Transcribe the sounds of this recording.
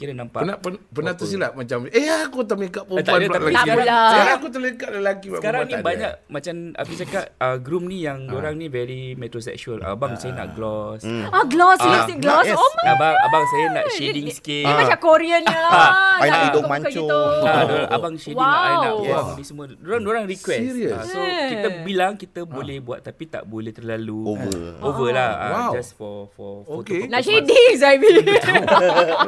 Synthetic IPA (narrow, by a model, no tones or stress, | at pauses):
kiɾanampanapənpənat̪əs̬ilaʔmat͡ʃaməakut̪amekaʔpup̪aandəlaalakilasəkaɾaŋakut̪ələkaʔ̚ləlakibaəkaɾaŋnĩabaɲaʔmat͡ʃama̰kut͡ʃakaʔ̚əɡɾum̚nijaŋdoɾaŋnivɛɾimɛt̪ɾos̬ɛ̰kʃuəla̰baŋsajəna̰ʔɡlɔsaɡlɔsasiɡlɔsjɛoəabaŋabaŋsajənaʔʃediŋskimat͡ʃakoɾiənə | aidomãkoadoɾaŋʔabaŋʃewiãanaabisəmũədoɾaŋdoɾaŋrikwɛsasokit̪əbilaŋkit̪əbolɛhbua̰t̪ːapit̪a̰ʔbolɛht̪ərlaluoəʔovəlaha̰d͡ʒasfɔfɔoɔtenaʃediŋs̬ajbi